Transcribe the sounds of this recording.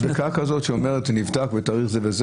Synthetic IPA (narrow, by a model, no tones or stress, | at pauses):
d̪akakazo̞tʃeomeʁetnivdakvetaːʁiχzevez